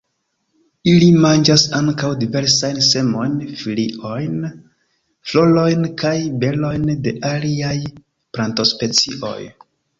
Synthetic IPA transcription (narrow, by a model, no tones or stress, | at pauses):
ilimand͡ʒasaŋkawdive̞ɾsajnse̞mo̞jnfiliʔo̞jn | flo̞lo̞jnkʰajbe̞lo̞jnde̞ʔaliaj | pɾanto̞spe̞t͡siʔo̞̰j